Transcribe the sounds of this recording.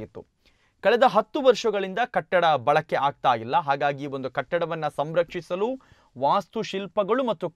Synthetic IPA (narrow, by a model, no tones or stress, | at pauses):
ɡit̪ːṵ | kɐɭɛd̪ɐɦɐt̪ːuʋɐɾʂɐɡɐɭind̪ɐkɐʈːɐɽɐbɐɭɐkːeʔaːɡ̚t̪aːjilːɐɦaːɡaːɡio̞nd̪ukɐʈːɐɽɐʋɐnːɐsɐmɾɐkʂisɐlu | ʋaːst̪uʃilpɐɡɐɭumɐt̪ːu